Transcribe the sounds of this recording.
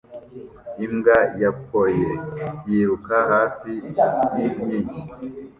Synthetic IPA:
imɡajap̚ʰojejiɾukahaːfijiɲiɟi

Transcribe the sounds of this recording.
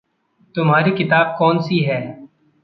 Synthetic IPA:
t̪ʊmɦaːɾikɪt̪aːb̚kɔːnsiɦɛː

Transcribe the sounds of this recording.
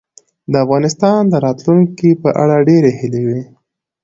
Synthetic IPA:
d̪əafɣɑnɪst̪ɑnd̪əɾɑt̪luŋkipəʔa̰ɽaɖeɾehɪlewi

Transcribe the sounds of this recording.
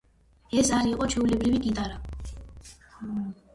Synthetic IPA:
ɛsaɾiqʼɔt͡ʃʰɛulɛbɾiviɡʼit̪ʼaɾa

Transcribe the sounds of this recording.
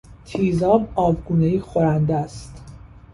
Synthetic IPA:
t̪ʰiːzɒːbɒːvɡuːneiːxoɾænd̪æst̪

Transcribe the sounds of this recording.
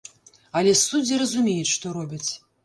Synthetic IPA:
ɐlʲɛsud͡zʲiɾɐzumʲɛjɛt͡sʲʂt̪ɔɾɔbʲit͡sʲ

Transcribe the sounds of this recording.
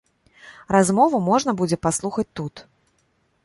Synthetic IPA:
razmɔvumɔʐnɐbud͡zʲɛpaslˠuxɐt͡sʲt̪ut̪

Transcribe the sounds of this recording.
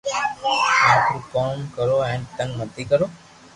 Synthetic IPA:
ãt̪ɾukɔmkəɾoɛ̃nt̪ə̃ŋɡnət̪ʰikəɾo

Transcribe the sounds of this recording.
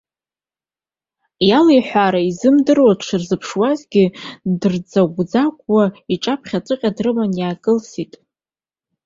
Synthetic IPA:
jalejħʷaɾaizɨmdɨrwatʰʂɨrzɨpʰʂwazɡʲɪdɨrd͡zaɡʷd͡zakʷʼwaiʈ͡ʂʼapʰχʲat͡sʼɨqʲʼadrɨmanjaːkʼɨlsitʼ

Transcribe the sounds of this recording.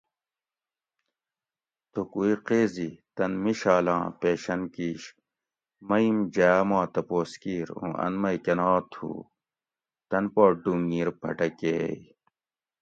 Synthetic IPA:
t̪okuiqeːzit̪ɐnmiɕaːlã̰ːpeːɕɐnkiːɕ | mɐimd͡ʑɐjaːmãːt̪ɐpoːskiːɾṵ̃ʔɐ̰nmɐjkɐnaːt̪ʰhṵː | t̪ɐnpoːɖuːŋɡiːɾbʱɐ̰ʈɐkeːi

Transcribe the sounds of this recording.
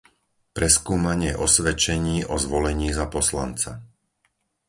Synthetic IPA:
pɾɛskuːmaɲɪɛʔɔsʋɛt͡ʃɛɲiːʔɔzʋɔlɛɲiːzapɔsla̰nt͡sa

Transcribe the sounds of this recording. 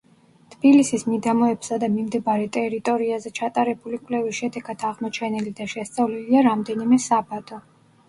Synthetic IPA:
t̪ʰb̥ilisismid̪amɔɛbsad̪amimd̪ɛbaɾɛt̪ʼɛɾit̪ʼɔɾiazɛt͡ʃʰat̪ʼaɾɛbulikʼwlɛvisʃɛd̪ɛɡad̪ʰaʁmɔt͡ʃʰɛnilid̪aʃɛst̪sʼavliliaɾamd̪ɛnimɛsabad̪ʰʼɔ

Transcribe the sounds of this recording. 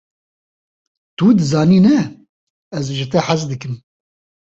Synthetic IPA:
t̪ud̪ɨzɑːniːnɛ | ɛzʒɨt̪ɛħazd̪ɨkɨm

